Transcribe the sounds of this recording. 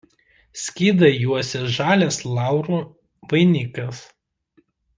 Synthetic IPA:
sʲkʲiːd̪ɐjuɔsʲɛʒɑːlʲeslˠɑˑʊɾuː | ʋɐɪnʲɪkɐs

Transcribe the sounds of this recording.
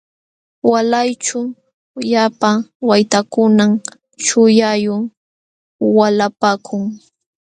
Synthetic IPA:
walajt͡ʃʊ | ʎapawajt̪akʊnam | ʃʊjajʊŋ | walapaːkʰʊŋ

